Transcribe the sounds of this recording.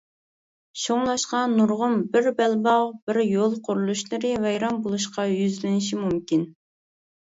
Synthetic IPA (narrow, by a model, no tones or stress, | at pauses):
ʃoŋlˠɑʃqɑnuɾʁʊmbɪɾbɛlbɑʁb̥ɪɾjolˠqʰʊɾulˠuʃlˠɨɾɨvɛjɾɑmbolˠuʃqɑjyzlɪnɪʃ̬imumkʲin